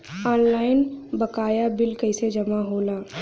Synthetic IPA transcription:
ɔːnlaːɪnbɐkaːjabɪlkɐɪsed͡ʒɐmaɦoːlaː

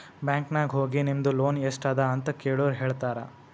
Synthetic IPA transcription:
bjaːŋknaːɡɦoːɡinimd̪uloːnesʈaːd̪ɐɐnt̪ɐkeːɭoːɾɦeːɭt̪aːɾɐ

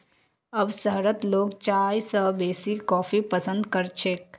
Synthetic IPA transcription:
əbsəɦɾət̪loːɡt͡ʃaːjsəbeːsikɔːpʰipəsə̃nd̪kəɾt͡ʃʰek

